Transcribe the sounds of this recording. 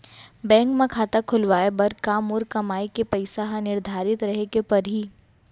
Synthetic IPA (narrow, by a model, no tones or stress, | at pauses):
bɛ̃ːŋkmẽkʰaːt̪akʰʊlʋaːebɐɾkaːmʊːɾkɐmaːikepɐɪsaɦãnɪɾd̪ʱaːɾɪt̪ɾɐɦekepɐɾɦiː